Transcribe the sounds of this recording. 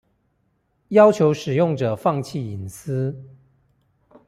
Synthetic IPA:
jɑ˥ʊt͡ɕʰjo˧˥ʊʂɻ̩˨˩jʊ˥˩ŋʈ͡ʂɤ˨˩fɑ˥˧ŋt͡ɕʰi˥˩i˨˩ns̩˥

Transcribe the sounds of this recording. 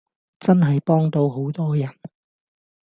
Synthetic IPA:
t͡sɐ˥nɦɐ˨jpɔː˥ŋt̪o˧wɦo˨˥wt̪ɔː˥jɐ˨˩n

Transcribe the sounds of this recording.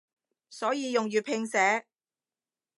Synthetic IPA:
sɔː˨˥jiː˨˧jʊ˨ŋjyː˨˩pʰɪ˧ŋsɛː˨˥

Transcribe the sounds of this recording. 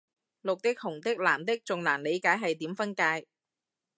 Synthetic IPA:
lʊ˨k̚t̪ɪ˥k̚hʊ˨˩ŋt̪ɪ˥k̚laː˨˩mt̪ɪ˥k̚t͡sʊ˨ŋlaː˨˩nle˨˧jkaː˨˥jɦɐ˨jt̪iː˨˥mfɐ˥nkaː˧j

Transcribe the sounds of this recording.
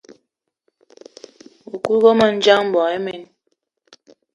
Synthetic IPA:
u˨ku˦ɣo˦mə˨n̩˦d͡ʒa˦ŋm̩˦bɔ˨e˦me˨n

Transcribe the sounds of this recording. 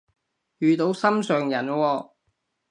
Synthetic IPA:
jyː˨t̪o˨˥wsɐ˥msœː˨ŋjɐ˨˩nwɔː˧

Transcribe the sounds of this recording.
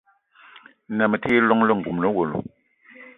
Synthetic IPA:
na˨mə˨te˦lɔ˦ŋlə˦ŋ̩˨ɡu˨mlə˦wo˨lṵ˨

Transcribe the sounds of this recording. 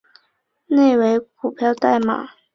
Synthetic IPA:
ne˥˩ɪwe˧˥ɪpʰu˨˩pʰjɑ˥˧ʊt̪a˥˩ɪma̰˨˩˦

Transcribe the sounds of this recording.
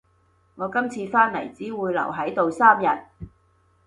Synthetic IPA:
ŋɔː˨˧kɐ˥mt͡sʰiː˧faː˥nlɐ̰˨˩jt͡siː˨˥wuː˨˧jlɐ̰˨˩wɦɐ˨˥jt̪o˨wsaː˥mjɐ˨t̚

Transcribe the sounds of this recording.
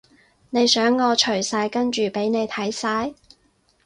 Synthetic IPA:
ne˨˧jsœː˨˥ŋːɔː˨˧t͡ʃʰɵ˨˩ɥsaː˧jkɐ˥nt͡ʃyː˨pe˨˥jne˨˧jt̪ʰɐ˨˥jsaː˧j

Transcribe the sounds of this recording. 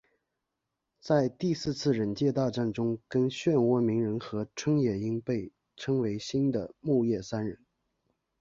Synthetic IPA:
t͡sa˥˧ɪt̪i˥˧sɹ̩˥˧t͡sʰɹ̩˥˩ɻə˧˥nt͡ɕjɛ˥˧t̪ɑ˥˧ʊʈ͡ʂa˥˩nʈ͡ʂʊ˥ŋkə˥nɕɥɛ˥˧nwɔ˥mi˧˥ŋɻə˧˥nxɤ˧˥ʈ͡ʂʰwə˥ŋjɛ˨˩i˥ŋpe˥˩ɪ | ʈ͡ʂʰɤ˥ŋwe˧˥ɪɕi˥nd̪ə˨mu˥˧jɛ˥˩sa˥nɻə˧˥n

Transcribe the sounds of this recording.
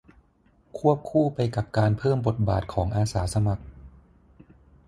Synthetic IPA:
kʰu˥˩əp̚kʰuː˥˩pa˧jka˨˩p̚kaː˧npʰɤː˥˩mbo˨˩t̪̚ba̰ː˨˩t̪̚kʰɔː˩˦ŋʔaː˧saː˩˦sa˧ma˨˩k̚

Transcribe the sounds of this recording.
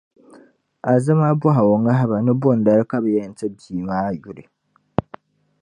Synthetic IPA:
a˨zɨ˦ma˦bɔ˦ɦa˨wo˨ŋa˦ɦa˦ba˨nɨ˦bʊ˦˨n˨da˦ɾka˦bjɛ˦˨n̩˨tɛ˦biː˨maː˦a˨ju˦ɾɪ˨

